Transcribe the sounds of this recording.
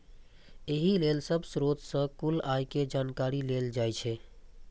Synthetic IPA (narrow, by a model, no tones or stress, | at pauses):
eɦilelsəbsɾot̪sə̃kulajked͡ʒankaɾileld͡ʒajt͡ʃʰɛ